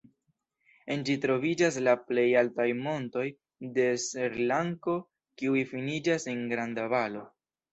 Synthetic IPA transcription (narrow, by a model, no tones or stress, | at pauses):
end͡ʒitɾo̞vid͡ʒas̬laple̞jaltajmo̞nto̞j | de̞seɾlaŋko̞ | kiujfinid͡ʒaseŋɡɾandavalo̞